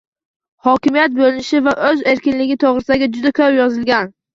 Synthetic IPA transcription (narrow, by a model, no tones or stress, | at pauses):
hɒkʲɪmijat̪̚bolɪnɪʃɪvaʔɵze̞ɾkʲɪnlɪɡʲɪt̪ʰoʁɾɪsd̪aɡʲad͡ʒʊd̪akʲʰɵpjɒzɪlɡʲan